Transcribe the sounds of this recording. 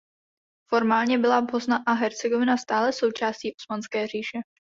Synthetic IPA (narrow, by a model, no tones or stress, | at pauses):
fo̞ɾmaːlɲɛbɪlabo̞snaʔaɦɛɾt͡sɛɡovɪnast̪aːlɛso̞wt͡ʃaːsciːʔosmanskɛːr̝iːʃɛ